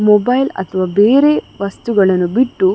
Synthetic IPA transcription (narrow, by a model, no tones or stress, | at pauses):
mobɐjlɐ̰t̪ʰɐʋaːbeːɾe̞ʋɐst̪uɡɐɭɐnːubiʈːu